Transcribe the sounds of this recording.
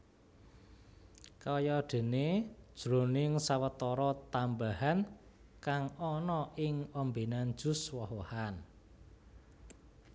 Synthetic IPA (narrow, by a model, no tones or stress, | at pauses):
kɔjɔɖ̥e̤ned̥ʒ̥ɾo̤nɪŋsawət̪ɔɾɔt̪ambahankaŋɔnɔʔɪŋɔmbenan̥ʒ̥ʊ̤swɔɦohan